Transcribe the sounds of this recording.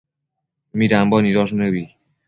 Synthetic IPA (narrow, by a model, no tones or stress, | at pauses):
miɾambɔniðɔsnəβi